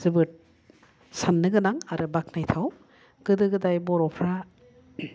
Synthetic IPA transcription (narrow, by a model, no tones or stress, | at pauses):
zɯbɯt̚ | sanːɯɡɯnaŋaɾɯbak̚najtʰaw | ɡ̥ɯdɯɡɯdajbɔɾɔpʰɾa